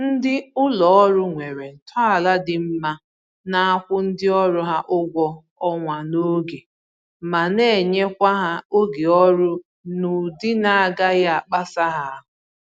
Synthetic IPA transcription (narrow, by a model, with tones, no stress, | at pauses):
n̩˦dɪ˦ʊ˦lɔ˨ɔ˦ɾʊ˦ŋʷe˨ɾe˨n̩˨tʰɔ˦a˨la˦dɪ˨m̩˦ma˦ | na˦a˦kʷʊ˦n̩˦dɪ˦ɔ˦ɾʊ˦ɦa˦ʔʊ˦ɡʷɔ˦ | ɔ˦ŋʷa˨no˦ɡe˨ | ma˨ne˦˨ɲe˦kʷa˦ɦa˦o˦ɡe˨ɔ˦ɾʊ˦ | nʊ˨dɪ˦na˨a˨ɡa˦ja˦a˨k͡pa˦sa˦ɦa˦a˦˨ɦʊ˨